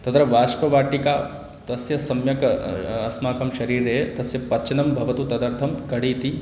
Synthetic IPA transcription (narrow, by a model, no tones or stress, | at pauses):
t̪ɐt̪ɾɐʋaːʂʈɐʋaːʈikaː | t̪ɐsjɐsɐmjɐkɐɐsmaːkɐmʃɐɾiːɾeːt̪ɐsjɐpɐt͡ʃɐnɐmbʱɐʋɐt̪ut̪ɐd̪ɐɾt̪ʰɐmkɐɽiːt̪i